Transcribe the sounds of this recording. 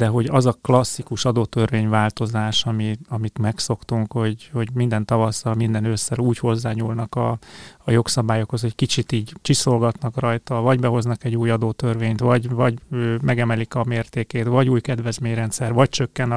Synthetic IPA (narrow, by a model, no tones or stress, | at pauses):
d̪ɛɦo̞ɟɒzɒklɒsːikuʃɒd̪oːt̪ørveːɲvaːlt̪o̞zaːʃɒmiɒmit̪mɛkso̞kt̪uŋkho̞ɟho̞ɟmind̪ɛnt̪ɒvɒsɒmind̪ɛnøsːɛluːcho̞zːaːɲuːlnɒkɒːjo̞ksɒbaːjokho̞sɛckit͡ʃit̪iːɟt͡ʃiso̞lɡɒt̪nɒkrɒjt̪ɒvɒɟbɛɦo̞znɒkɛɟːuːjɒd̪oːt̪ørveːɲt̪ʋɒɟvɒɟøːmɛɡɛmɛlikɒmeːrt̪eːkeːt̪vɒɟuːjkɛd̪ʋɛzmeːɲrɛnt̪sɛrvɒc̚t͡ʃø̞kːɛn